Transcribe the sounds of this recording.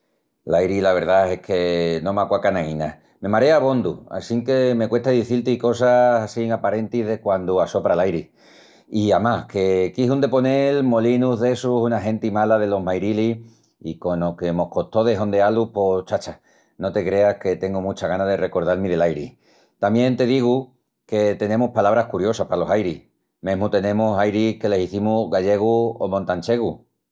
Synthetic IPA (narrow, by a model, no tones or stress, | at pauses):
lajɾilaβ̞e̞ɾðae̞hkʰe̞nõ̞makwakanaĩna | mẽ̞maɾeaβo̞nd̪ua̰siŋke̞me̞kwe̞ht̪aðiθilt̪iko̞sasasiŋapaɾe̞nt̪iðe̞kwand̪uaso̞pɾalajɾi | iamake̞kiɦund̪e̞po̞ne̞lmo̞linuðe̞susunaɦẽ̞nt̪imalaðe̞lo̞ɦmajɾili | iko̞no̞ke̞mo̞hko̞t̪o̞ðe̞ɦond̪ealupo̞t͡ʃat͡ʃa | not̪e̞kɾe̞ake̞t̪e̞ŋɡumut͡ʃaɣanaðe̞re̞ko̞ɾð̞almiðe̞lajɾḭ | t̪amjẽ̞nt̪e̞ðiɣ̞u | ke̞t̪e̞ne̞muhpalaβɾahkuɾjo̞sahpalo̞sajɾih | me̞ɦmut̪e̞nẽ̞musajɾike̞le̞siθimuɣaʎe̞ɣ̞uo̰mõ̞nt̪anʲt͡ʃe̞ɣ̞u